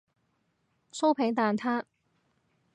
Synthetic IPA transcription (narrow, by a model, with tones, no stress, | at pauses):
so˥wpʰe˨˥ŋt̪aː˨nt̪ʰaː˥t̚